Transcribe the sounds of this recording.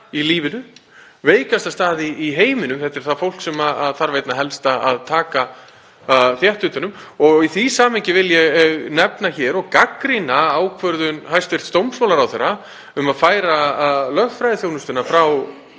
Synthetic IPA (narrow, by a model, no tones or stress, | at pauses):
iliːvɪnʏ | veːjkast̪ast̪aːðiːɦeːjmɪnʏmθɛht̪ɛɾ̥θaðfowl̥ksɛmaaðθaɾvejt̪naɦɛlst̪aaðt̪ʰaːka | θjɛht̪ʏːt̪anʏmɔɣiθisaːmɪɲcɪvɪljɛɣɣnɛpnaçɛːɾɔɣkakɾinaaːwkʰvœɾðʏnɦajst̪vejr̥t̪st̪owmsmaːwlaɾawθɛɾːa | ʏmaðfaːjɾalœɣfɾajðɪθjownʏst̪ʏnafɾaw